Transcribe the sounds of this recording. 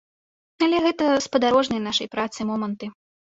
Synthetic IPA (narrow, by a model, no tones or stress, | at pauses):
ɐlʲɛɣɛt̪ɐspɐd̪aɾɔʐnɨjnaʂɐjpɾat̪sɨmɔmɐnt̪ɨ